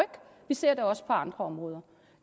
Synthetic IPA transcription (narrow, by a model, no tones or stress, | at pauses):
œɡ̥ʋise̝ɐ̰d̥æɒ̽sə̥pʰɒ̽ɑ̈nd̥ʁɐɒ̽mʁɔːðˠɐ